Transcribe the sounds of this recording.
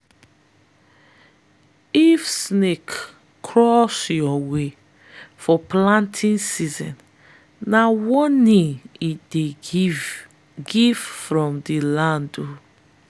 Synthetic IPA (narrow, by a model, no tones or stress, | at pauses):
ifsnekːʰ | ɹɔsjɔwe | fɔplãntʰĩnsizɛ̰̃n | nawɔ̃nĩid̥e | ɡivfɹɔ̃mdilãndo